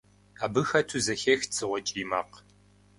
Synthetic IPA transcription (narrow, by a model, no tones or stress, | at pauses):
aːbɨxɐtʰuzɐxext͡sʰʼɨʁʷɔt͡ʃʼiːmaːq